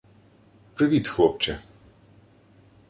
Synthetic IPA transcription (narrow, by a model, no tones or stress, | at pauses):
pɾivit̪xlˠɔp̚t͡ʃɛ